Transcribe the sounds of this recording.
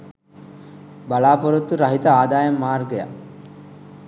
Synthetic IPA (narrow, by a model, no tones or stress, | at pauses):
balaːpoɾot̪ːuɾɐɦit̪ɐaːd̪aːjɐmːaːrɡeja̰